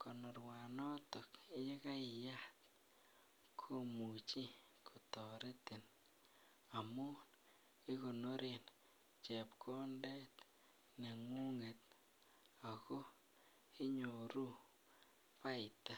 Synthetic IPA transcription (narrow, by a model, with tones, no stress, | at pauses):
ko˨no˨ɾwa˨nɔ˦to˨ki˦je˦ka˦ɪ˨jat̪̚ | kʰo˦mu˨t͡ʃi˦ | kʰo˨tɔ˨ɾe˦t̪ɪ˨n | a˨mʊ˦ | ɪ˦ko˨no˦ɾe˨n | t͡ʃe˨pkʰo˦ndɛ˦t̪ | ne˨ŋu˦ŋe˨t̪̚ | a˨ko˦ | i˦ɲo˨ɾu˦ | pa˦ɪ˨t̪a˦